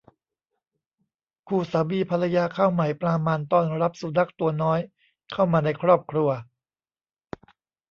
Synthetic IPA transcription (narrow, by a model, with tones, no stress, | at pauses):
kʰuː˧˩saː˩˦biː˧pʰa˧la˧jaː˧kʰaː˥˩wma˨˩˦jpɾaː˧maː˧nt̪ɔː˥˩nɾa˦˥p̚suː˨˩˦na˦˥˩k̚t̪u˧ɐnɔː˦˥j | kʰa˥˩wmaː˧na˧jkʰɾɔː˥˩p̚kʰɾu˧ɐ